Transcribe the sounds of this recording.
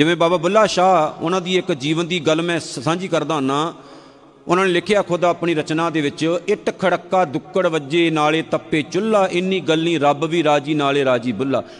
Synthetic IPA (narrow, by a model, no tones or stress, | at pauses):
d͡ʒɪʋẽːbaːbaːbʊlːaːʃaːʊ̰nãːd̪iːɪkd͡ʒiːʋənd̪iːɡəlmɛ̃ːsãːɲd͡ʒiːkəɾd̪aːɦnaː | ʊnãːneːlɪkʰjaːkʰoːd̪aːəpɳĩːɾət͡ʃnãːd̪eːʋɪt͡ʃɪʈkʰəɽəkːaːd̪ʊkːəɽʋəd͡ʒeːnaːleːt̪əpːeːt͡ʃʊlːaːʔɪnːĩːɡəlːĩːɾəbʋiːɾaːd͡ʒiːnaːleːɾaːd͡ʒiːbʊlːa̰ː